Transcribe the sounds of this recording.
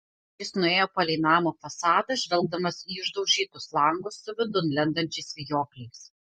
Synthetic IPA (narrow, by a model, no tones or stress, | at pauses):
jɪsnʊeːjoːpɐlʲɛɪnɑːmoːfɐsɑːd̪ɐʒʲʋʲɛlˠɡ̚d̪ɐmɐsiːʊʒd̪ɐʊʒʲiːt̪ʊslˠɐŋɡʊsːʊʋʲɪd̪ʊnlʲɛnd̪ɐnʲt͡ʃʲɛɪsʋʲɪjoːklʲɛɪs